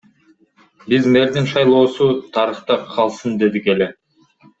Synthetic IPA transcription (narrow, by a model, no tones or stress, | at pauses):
bizme̞ɾd̪inʃɑjlˠo̞ːsut̪ʰɑɾɯχt̪ɑqʰɑlˠsɯnd̪e̞d̪ike̞le